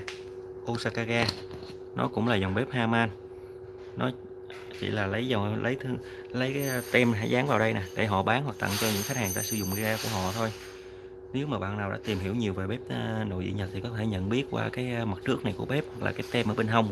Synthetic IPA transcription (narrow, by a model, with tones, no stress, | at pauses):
ʔu˧saː˧kaː˧ɣaː˧ | nɔ˨˦kʊ̰˧˥ŋ͡mlaː˨˩zɔ˨˩wŋ͡mɓe˦˥p̚haː˧maː˧n | nɔ˨˦ | t͡ɕḭ˧˨laː˨˩lə˨˦jzɔ˨˩wlə˨˦jt̪ʰŋ | lə˨˦jkːt̪ɛ˧mɦaː˧˥jzaː˨˦ŋvaː˨˩wɗə˧jna˨˩ɗe˧˩ɦɔ̰˧˨ɓaː˨˦nhwa˨˩k̚t̪a̰˧˨ŋt͡ɕɔ˧ɲɨ̰˧˥ŋxa˦˥k̚haː˨˩ŋta̰ː˧˥sɨ̰˧˩zʊ̰˧˨ŋ͡mi˧ɗaː˧ku˧˩əhɔ̰˧˨t̪ʰo˧j | ne˨˦wmaː˨˩ɓa̰ː˧˨naː˨˩wɗa̰ː˧˥t̪i˨˩mhi˧˩əwɲi˨˩əwve˨˩ɓe˦˥p̚ːno̰˧˨zḭ˧˨ɲə˨˩t̚t̪ʰi˨˩kɔ˨˦t̪ʰe˧˩ɲə̰˧˨nɓi˦˥ət̚kwa̰ː˧kaː˨˦jmə˨˩t̚t͡ɕɨ˦˥ək̚na˨˩jku˧˩əɓe˦˥p̚hk̚laː˨˩kaː˨˦jt̪ɛ˧mʔəː˧˩ɓe˧nɦə˧wŋ͡m